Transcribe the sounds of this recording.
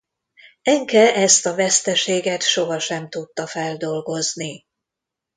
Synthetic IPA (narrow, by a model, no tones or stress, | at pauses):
ɛŋkɛʔɛst̪ɒvɛst̪ɛʃeːɡɛt̪ʃoɦɒʃɛmt̪ut̪ːɒfɛld̪o̞lɡo̞zni